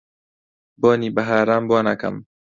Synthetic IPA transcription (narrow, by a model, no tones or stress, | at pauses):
boːniːbɐɦaːɾaːmboːna̰kɐ̰m